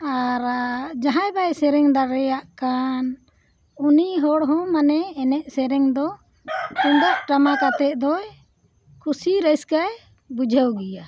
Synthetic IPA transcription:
aɾd͡ʒaɦãjbajsɛɾɛŋd̪aɾɛjaʔkan | uniɦɔɽɦɔ̃manɛːnɛʔ̚sɛɾɛŋd̪ɔ | und̪əʔ̚ʈamakat̪ɛʔ̚d̪ɔj | kʰusiɾəjskaj | bud͡ʒʱəwɡija

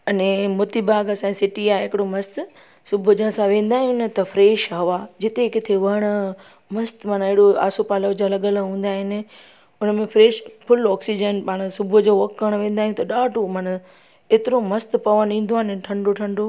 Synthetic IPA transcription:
ɐnẽmʊt̪ibaːɡɐsãsɪʈiaːɦɪkɪɽomɐst̪ | sʊbʱʊd͡ʑə̃sãʋẽːn̆d̪aːɦijũnt̪ɐfɾeːʃɦɐʋaːd͡ʑɪt̪ekɪt̪ʰeʋɐɽ̃ʊ | mɐst̪maːnɪɦɪɽoa̰ːsopaːləʋd͡ʑãlɐɠəlɦũːn̆d̪aːɦɪnɪ̆ | ʊnəmẽfɾeːʃfʊlɔːksid͡ʑənpaːɽ̃sʊbʱʊd͡ʑoːʋɐkːəɽ̃ʋẽːn̆d̪aːijũt̪ɐɗaːʈomaːnɐ | eːt̪ɪɾomɐst̪pɐʋənĩːn̆d̪oaːneʈʰɐ̃ɳɖoʈʰɐ̃ɳɖo

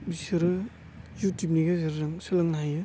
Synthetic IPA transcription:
bisɯɾɯ | jutup̚niɡazɯɾɯɾaŋsɯlɯŋnaɦajɯ

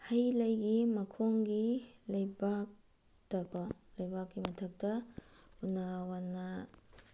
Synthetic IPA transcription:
hɐjlɐjɡimɐkʰoŋɡilɐjbak̚ | tɐkolɐjbak̚ːimɐtʰɐk̚tɐunawanːɐ

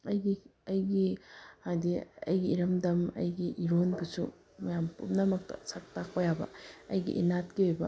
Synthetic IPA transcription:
ɐjɡiɐjɡihajdiɐ̰jɡiːɾɐmdɐmɐ̰jɡiʔiɾonbusṵ | mɐjampṵmnɐmɐk̚tɐ̰sɐk̚takojabɐ̰ɐjɡḭʔḭnatkiojbɐ

